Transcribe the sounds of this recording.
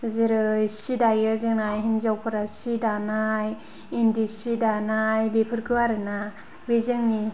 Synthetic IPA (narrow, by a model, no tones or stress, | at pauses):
zɯɾɯjsidajɯzɯŋnajɦinzawpʰɯɾasidanaj | indisidanajbepʰɯɾkʰɯwaɾɯna | bezɯŋni